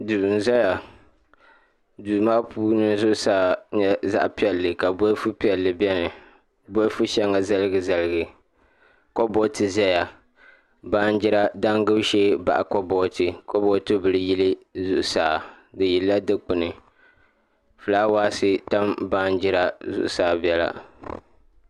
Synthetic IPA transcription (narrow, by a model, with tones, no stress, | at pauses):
du˨n̩˨za˦ja˨ | du˨ma˦pʰuː˦nɨ˦zʊ˦ʔʊ˦saː˨ɲɛ˦za̰˦ʔpi˦ɛ˨lːɨ˨ka˨bɔ˦fu˦pi˦ɛ˨lːɨ˨bɛ˦nɨ˨ | bɔ˦fu˦ʃɛ˦ŋa˨za˦lɨ˦ɡɨ˨za˦lɨ˦˨ɡɨ˨ | ko˦bɔ˦tɨ˦zɛ˦ja˨ | baː˦n˦d͡ʒɪ˦ɾa˦da˦ŋɡɨ˦bʃeː˦ba̰˨ʔa˨kɔ˦bɔ˦tɨ˨ko˦bɔ˦tɨ˦bɨ˨lɨ˦ji˦lɨ˦zʊ˦ʔʊ˦saː˨ | dɨ˨ji˨lːa˦dɨ˦k͡pɨ˨nɨ˨ | fu˨laː˦waː˦sɨ˦ta˦mbaː˦nd͡ʒɪ˦ɾa˦zʊ̰˦ʔʊ̰˦saː˨bi˦ɛ˦la̰˨